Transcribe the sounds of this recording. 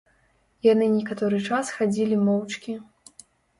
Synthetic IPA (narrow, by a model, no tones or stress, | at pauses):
janɨnʲɛkat̪ɔɾɨt͡ʂasxad͡zʲilʲimɔwt͡ʂkʲi